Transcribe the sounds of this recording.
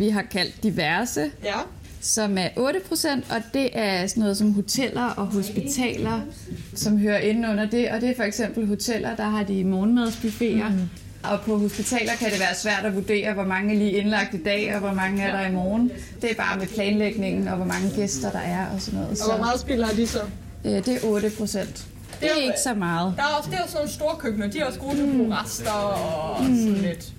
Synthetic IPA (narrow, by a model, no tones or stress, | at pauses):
ʋiɦɑ̈kʰæl̰d̥ːiʋæɐsə | sɒ̽mæɐʔɔ̽ːɾəpʰʁo̝sen̰d̥ɒ̽d̥e̝ʔæɐsɒnɔːð̞̩ˠsɒ̽mɦo̝t͡sʰel̰ɐʔɒ̽ɦo̝sb̥it͡sʰɛ̰ːlɐ | sɒ̽mɦøːɐʔe̝nn̩ɔ̽n̰ɐd̥e̝ʔɒ̽d̥e̝æɐfɒ̽eɡ̥sem̰b̥l̩ɦo̝t͡sʰel̰ɐd̥ɑ̈ɦɑ̈d̥imɔːnmeð̞ˠsb̥yfe̝̰ːɐ | ɒ̽pʰɒ̽ɦo̝sb̥it͡sʰɛ̰ːlɐkʰæɾe̝ʋæːɐsʋæɐ̰ɾ̥ɒʋud̥e̝̰ːɐʋɒmɑ̈ŋəæliːe̝nlɑ̈ɡ̥̚d̥id̥ɛ̰ːɒ̽ʋɒmɑ̈ŋəæɐɾ̥ɑ̈imɒːn̩ | d̥e̝æɐb̥ɑ̈ːmepʰlɛːnleɡ̥ne̝ŋn̩ɒ̽ʋɒmɑ̈ŋəɡ̥esd̥ɐd̥ɑ̈ʔæɐɒ̽sɒ̽nɔ̽ːð̩̰ˠsɒɒmɑːð̩ˠsb̥ilhɑ̈d̥isɒ | ød̥e̝æɐʔɔ̽ːɾ̥əpʰʁo̝sen̰d̥ | d̥e̝æe̝ɡ̥əsɒ̽mɑ̈ːð̞̩ˠd̥ɑ̈æɐɒsd̥eɒsnoːn̩sd̥o̝ːɐkʰøb̥nɐd̥iæɒsɡ̥o̝ːt͡sʰibʰoʁasd̥ɐɒsɔnled̥